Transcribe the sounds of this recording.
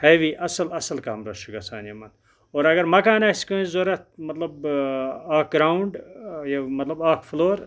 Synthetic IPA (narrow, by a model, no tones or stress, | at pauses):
hɐjʋiʔɐsɐlɐsɐlkaːmɾɐʃuɡɐsaːnijɐmɐn | oːɾɐɡɐɾmɐkaːnaskozoɾɐt̪̚mɐt̪lɐb | aːk̚ɡɾaːuɳɖjɐmɐt̪lɐbaːkfloːɾ